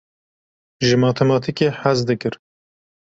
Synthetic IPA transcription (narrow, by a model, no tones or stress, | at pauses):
ʒɨmɑːt̪ʰɛmɑːt̪ʰikeħazd̪ɨkɨɾ